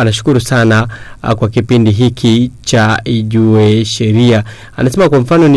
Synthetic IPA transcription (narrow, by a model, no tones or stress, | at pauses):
anaʃu̥kuɾusanakwakipindiɦikʰit͡ʃaiʄuɛʃɛɾia | a̰nasɛmakwam̩fanɔni